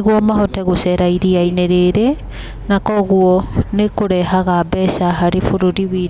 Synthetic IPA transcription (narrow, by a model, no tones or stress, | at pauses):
ɣwɔmaɦɔtɛɣosɛɾaiɾiaineɾeɾe | nakɔɣuɔnekoɾɛɦaɣabɛsaɦaɾefoɾoɾiwi